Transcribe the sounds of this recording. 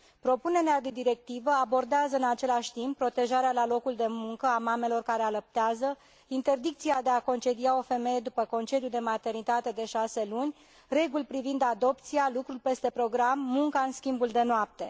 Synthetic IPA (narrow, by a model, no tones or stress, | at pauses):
pɾo̞pune̞ɾead̪e̞d̪iɾe̞k̚t̪ivəabo̞rd̪eazəɨnat͡ʃe̞laʃʲt̪impːɾo̞t̪e̞ʒaɾealalo̞kuld̪e̞muŋkəamame̞lo̞rkaɾe̞aləp̚t̪eazə | int̪e̞rd̪ik̚t̪siad̪e̞ako̞nt͡ʃe̞d̪iao̞fe̞me̞je̞d̪upəko̞nt͡ʃe̞d̪jud̪e̞mat̪e̞rnit̪at̪e̞d̪e̞ʃase̞lunʲ | re̞ɡulʲpɾivind̪ad̪o̞pt̪sialukɾulʲpe̞st̪e̞pɾo̞ɡɾamːuŋkaɨnskʲimbuld̪e̞noap̚t̪e̞